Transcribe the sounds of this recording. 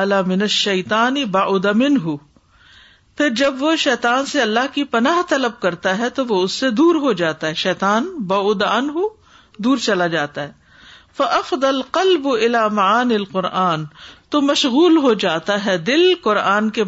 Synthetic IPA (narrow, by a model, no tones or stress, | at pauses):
lamɪnɐʃːɐjt̪aːnɪbaʔʊd̪amɪnɦʊ | pʰɪɾd͡ʒɐbʋoʃɛːt̪aːnseɐlːaɦkipɐnaːɦt̪ɐləb̚kɐɾt̪aɦɛt̪oʋoʊsːed̪uːɾɦod͡ʒaːt̪aɦɛʃɛːt̪aːnbaʊd̪aɐnɦu | d̪uːɾt͡ʃɐlad͡ʒaːt̪aɦɛː | fɐʔɐfd̪ˤɐlqɐlbʊɪlaːmɐaːnɪlqʊɾʔaːnt̪omɐʃɣuːlɦod͡ʒaːt̪aɦɛd̪ɪlqʊɾaːnke